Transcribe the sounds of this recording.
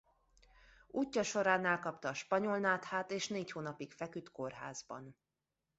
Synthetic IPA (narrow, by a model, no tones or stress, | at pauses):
uːcːɒʃo̞ɾaːnɛlkɒpt̪ɒːʃpɒɲo̞lnaːt̪haːt̪eːʃneːchoːnɒpikfɛkyt̪ko̞rɦa̰ːzbɒ̰n